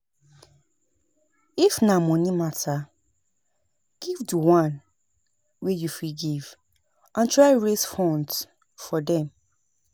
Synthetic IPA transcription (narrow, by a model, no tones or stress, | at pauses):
ifnamɔ̃nimata | ɡ̥ivdəwãn | wejufiɡiv | ʔãntɹaɪɹesfɔ̃nt | fɔdɛ̃m